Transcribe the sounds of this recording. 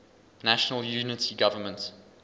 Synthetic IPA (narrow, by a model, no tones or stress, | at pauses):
næʃənəljuːnɪtʰiɡavəmə̃nt